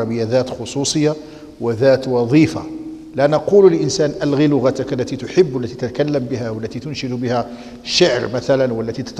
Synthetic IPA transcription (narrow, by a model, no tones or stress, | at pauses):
ɑbəjːaðæt̪xʊsˤusˤəjːa | wəðæt̪wɑðˤiːfa̰ | lænɑquləlʔənsæːnʔælɣilʊɣat̪ʊklːæt̪it̪ʊħəbːwəlːæt̪it̪æt̪kælːəmbəhæwəlːæt̪it̪ʊnʃəd̪bəhæ | ʃəʕɾmæt̪ælænwəlːæt̪it̪t̪